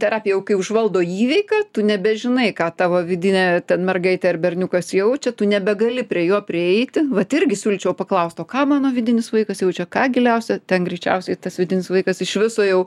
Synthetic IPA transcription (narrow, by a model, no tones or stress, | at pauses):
t̪ʲɛrɑːpʲɪjɛjɛʊkɐɪʊʒʋɐlˠd̪oːiːʋʲɛɪkɑːt̪ʊnʲɛbʲɛʒʲɪnɐɪkɑːt̪ɑːʋoːʋʲɪd̪ʲɪnʲɛːt̪ʲɛnmʲɛrɡɐɪt̪ʲɛɪrbʲɛrʲnʲʊkɐsjɛʊt͡ʃʲɛt̪ʊnʲɛbʲɛɡɐlʲɪpʲɾʲiɛjuɔpʲrʲɪɛɪt̪ʲɪʋɐt̪ɪɾʲɡʲɪsʲuːlʲt͡ʃʲɛʊpɐklˠɐʊst̪oːkɑːmɑːnoːʋʲɪd̪ʲɪnʲɪsʋɐɪkɐsjɛʊt͡ʃʲɛkɑːɡʲɪlʲɛʊsʲɛt̪ʲɛnɡɾʲɛɪt͡ʃʲɛ̰ʊsʲɛɪt̪ɐsʋʲɪd̪ʲɪnʲɪsʋɐɪkɐsɪʃʲʋʲɪsoːjɛʊ